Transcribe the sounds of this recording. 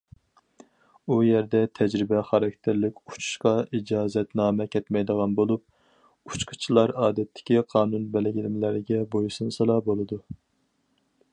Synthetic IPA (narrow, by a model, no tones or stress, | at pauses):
ujɛɾd̪ɛt̪ʰɛd͡ʒɾɪbɛχɑɾɑk̚ʲt̪ʰɪɾlɪkʲu̥t͡ʃʰu̥ʃqɑid͡ʒɑːzɛt̪nɑːmɛkʲʰɛt̪mɛjd̪əʁɑnbolˠup̚ | u̥t͡ʃqʰə̥t͡ʃʰilˠɑɾɑːd̪ɛt̪ʰːɪ̥kʲiqʰɑːnunbɛlɪɡʲilɪmlæɾɪɡʲɛbojsɨnsɨlˠɑbolˠɨd̪u